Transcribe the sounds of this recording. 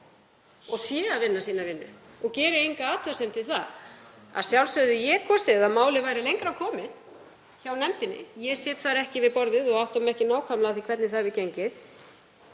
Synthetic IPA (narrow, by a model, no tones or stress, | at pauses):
ɔɣsjɛːðavɪnːasiːnavɪnːʏ̰ | ɔɣcɛːɾɪejŋkaaːt̪ʰasɛnt̪ɪθaða̰ðsjawlsœɥðʏjɛkʰɔsɛðamaːwlɪvaːjɾɪlejŋkɾawkʰɔːmɪn | çawnɛmt̪ɪnːɪ̰jɛsɛːt̪θaɾɛhcɪvɪðpɔɾðɪðɔɣawht̪ɔmɛhcɪnaːwkʰamlaθikʰvɛt̪nɪθavɪðcejɲcɪð